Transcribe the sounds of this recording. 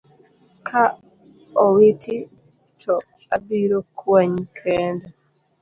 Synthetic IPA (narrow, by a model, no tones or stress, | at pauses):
kʰa | ɔwiti | tʰɔ | abiɾɔkwaɲkʰɛːndɔ